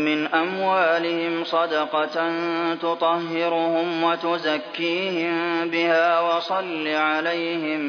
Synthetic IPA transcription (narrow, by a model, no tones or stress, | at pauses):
mɪnʔamwaːlɪhɪmsˤɑd̪ɑqɑnt̪ʊt̪ˤɑhːɪɾʊhʊmwat̪ʊzakːiːhɪmbɪhaːwɑsˤɑlːiʕalajhɪm